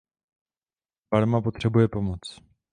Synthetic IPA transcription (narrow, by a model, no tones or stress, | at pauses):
baɾmapot̪r̝̥ɛbujɛpo̞mot͡s